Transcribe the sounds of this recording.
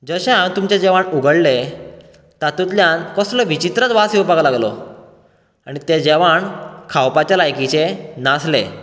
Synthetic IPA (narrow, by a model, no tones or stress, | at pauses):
d͡zəɕeãnt̪umt͡ɕed͡ʑeʋaɳuɡəɽle | t̪at̪ut̪̬ljãnkəsləʋit͡ɕit̪ɾət͡sʋasiopaklaɡlɔ̰ | aɽ̃it̪ed͡ʑeʋaɳkʰawpat͡ɕjalajkit͡ɕenasle